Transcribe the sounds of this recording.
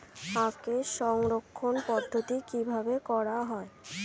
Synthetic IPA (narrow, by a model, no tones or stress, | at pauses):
akeʃɔŋɾokʰːonpɔd̪ʱːot̪ikibʱabekɔɾaɦɔe